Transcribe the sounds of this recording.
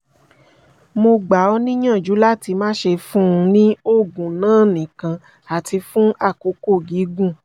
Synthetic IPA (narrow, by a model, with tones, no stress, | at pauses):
mo˧ɡ͡ba˨ɔ˧nĩ˦jã˦˨d͡ʒu˨˦la˦ti˧mãː˦ʃe˧fũ˦˧nĩ˦o˦˨ɡũ˨nãː˦˨nĩ˨kã˧ | a˨ti˧fũ˦a˦˨ko˨˦ko˦˨ɡi˨˦ɡũ˦˨